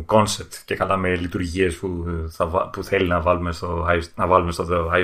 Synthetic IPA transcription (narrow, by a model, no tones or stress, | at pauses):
ko̞nsep̚t̪ce̞kɐlɐmelit̪uɾʝie̞spuθɐvɐ̰puθe̞linɐvɐlume̞st̪o̞ɐnɐvɐlume̞st̪ooɐ